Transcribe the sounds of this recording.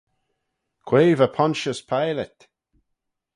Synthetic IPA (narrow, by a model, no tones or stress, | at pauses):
kʰweːvəpʰɔnʃəspʰajlɛt̪